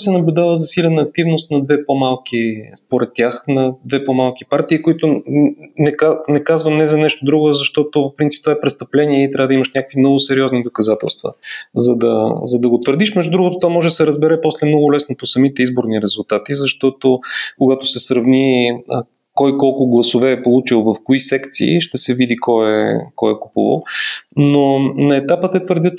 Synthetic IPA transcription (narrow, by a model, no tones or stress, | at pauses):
sɛnɐblʲʊd̪avəzɐsilʲɛnəːk̚t̪ivnost̪nɐd̪vɛpomalˠkispoɾɛt̪ʲːaxnɐd̪vɛpomalˠkipaɾt̪iːkʊit̪ʊnɛkanɛkazvəmnɛzɐnɛʃt̪ʊd̪ɾuɡʊɛzɐʃt̪ɔt̪oopɾint̪i̥p̚t̪vaɛpɾɛtst̪ɐplɛniɛit̪ɾavəd̪ɐiməʃnʲakəkvimnɔɡʊsɛɾiɔznid̪okɐzat̪ɛ̰lˠst̪və̰zɐd̪ɐzɐd̪ɐɡot̪vəɾd̪iʃmɛʒd̪ud̪ɾuɡʊt̪ot̪vamɔʒɛd̪ɐsɛɾəzbɛɾɛpɔslɛmnɔɡʊlɛsnoposɐmit̪ɛizboɾniɾɛzulˠt̪at̪izɐʃt̪ɔt̪okʊɡat̪o̥sɛsɾɐvniə | kɔjkɔlˠkʊɡlˠɐsovɛːpolˠut͡ʃilˠvɐfkoisɛkt̪sḭːʃt̪ɛsɛvid̪ikɔɛ̰kɔjɛkupṵvə̰nonɐɛt̪apət̪ɛt̪vəɾd̪jət̪